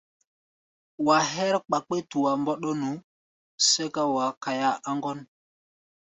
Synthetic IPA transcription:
wa˨ɦɛ˦ɾk͡pa˨k͡pe˦tu˨wa˨mbɔ˦ɗɔ˦nu˨˦ | se˦ka˦wa˨ka˨ja˦ʔa˦ŋɡɔ˦n

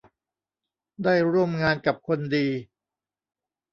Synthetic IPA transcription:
daː˥˩jɾu˥˩əmŋaː˧nka˨˩p̚kʰo˧ndiː˧

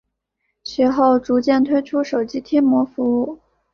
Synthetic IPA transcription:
ɕɥɛ˧˥xo˥˩ʊʈ͡ʂu˧˥t͡ɕjɛ˥˩nt̪ʰwe˥ɪʈ͡ʂʰu˥ʂo˨˩ʊt͡ɕi˥t̪ʰjɛ˥nmwɔ˧˥fu˧˥u˥˩

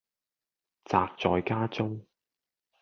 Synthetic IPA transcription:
t͡saː˨˧k̚t͡sɔː˨jkaː˥t͡sʊ˥ŋ

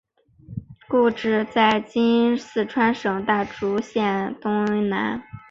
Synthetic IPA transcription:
ku˥˧ʈ͡ʂɻ̩˥˧t͡sa˥˩ɪt͡ɕi˥nsɹ̩˥˩ʈ͡ʂʰwa˥nʂɤ˨˩ŋt̪a˥˩ʈ͡ʂu˧˥ɕjɛ˥˩nt̪ʊ˥ŋy˧˥na̰˧˥n

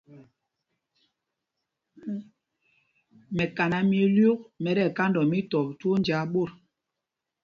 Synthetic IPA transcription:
mɛ˨ka˨na˨mie˨lju˦k̚mɛ˨ɾɛ˦˨ka˦ndɔ˨mi˦tɔ˨to˦nd͡ʒa˨˦ɓo˦˨ɾ

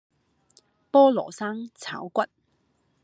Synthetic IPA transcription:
pɔː˥lɔː˨˩saː˥ŋt͡sʰa̰ː˨˥wkʷɐ˥t̚

